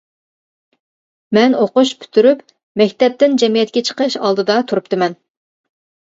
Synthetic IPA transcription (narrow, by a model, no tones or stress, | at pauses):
mɛnoqʊʃpʰy̥t̪ʰyɾyp | mɛkʲt̪ɛp̚t̪ɪnd͡ʒɛmijɛt̪̚kʲɛt͡ʃʰə̥qəʃɑ̰lˠd̪ɨd̪ɑt̪ʰuɾup̚t̪ɨmɛn